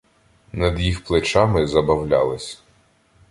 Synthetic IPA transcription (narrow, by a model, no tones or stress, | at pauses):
nɐd̪jixplˠɪt͡ʃɑmɪzɐbɐwlʲalˠɪsʲ